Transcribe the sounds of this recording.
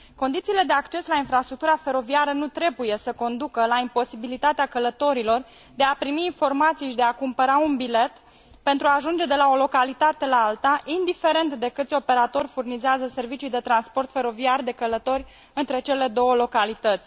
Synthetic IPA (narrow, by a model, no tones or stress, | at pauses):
ko̞nd̪it̪siːle̞d̪eakt͡ʃe̞slainfɾast̪ɾuk̚t̪uɾafe̞ɾo̞viaɾənut̪ɾe̞buje̞səko̞nd̪ukəlaimpo̞sibilit̪at̪eakələt̪o̞ɾilo̞r | d̪eapɾimiːnfo̞rmat̪siʃd̪eakumpəɾaunbile̞t̪ | pe̞nt̪ɾuaːʒund͡ʒe̞d̪e̞lao̞lo̞kalit̪at̪e̞laalt̪aʔind̪ife̞ɾe̞nt̪d̪e̞kɨt̪sʲo̞pe̞ɾat̪o̞rʲfurnizeazəse̞rvit͡ʃijd̪e̞t̪ɾanspo̞rt̪fe̞ɾo̞viarʲd̪e̞kələt̪o̞rʲ | ɨnt̪ɾe̞t͡ʃe̞le̞d̪o̞wəlo̞kalit̪ət̪sʲ